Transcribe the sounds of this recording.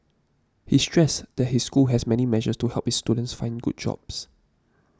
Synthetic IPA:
histɹɛsd̪̥ɛt̚hisːkulɦɛsmɛnimɛʒəstuhɛlp̚hisːtudə̃nsfãɪ̃nɡṵd̚d͡ʒɔ̰bs

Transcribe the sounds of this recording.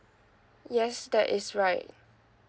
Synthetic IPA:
jɛsdɛʔɪsɹaɪt̚

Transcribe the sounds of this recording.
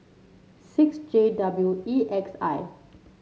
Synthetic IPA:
siksd͡ʒedabluiʔɛksa̰j

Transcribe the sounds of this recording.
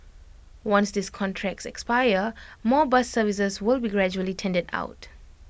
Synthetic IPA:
wãnsdiskʰɔ̃ntʰɹɛk̚sɛkspajəmɔbasːəvis̬əswɪlbiɡɹɛd͡ʒuəlitʰɛ̃ndəda̰ʊt

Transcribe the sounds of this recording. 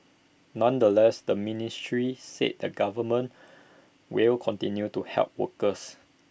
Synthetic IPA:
nãndəlɛsdəministɹisḛt̚dəɡavəmə̃n | wilkʰɔ̃ntĩnjutuhɛ̰lp̚wə̰kəs

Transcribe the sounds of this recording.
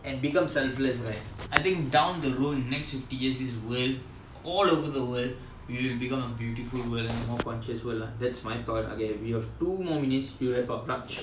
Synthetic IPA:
ɛ̃nbikʌ̃msɛlfləsɾaɪtaɪt̪ĩŋk̚ɖãʊ̃nd̪əɾũmnɛkstfɪfʈijiəsiswəl | ɔlovəd̪əwəlɖ | wiʋilbikʌ̃məbjuːʈifulwəlɛ̃nəmɔːkɔ̃nʃəswəlãd̪ɛtsmaɪt̪ʰɔʈa̰ɡẽwihɛvʈumɔːmĩnitsjulɛpapɾãt͡ʃ

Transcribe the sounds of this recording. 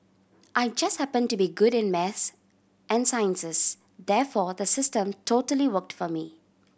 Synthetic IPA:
ʔaɪd͡ʒʌst̚hæpə̃nʈubiɡʊɾɪ̃nmɛθs | ʔɛ̃nsaɪə̃nsɪs | d̪ɛːfɔːd̪əsɪstə̃mtʰoːʈəliwək̚ʈfɔmi

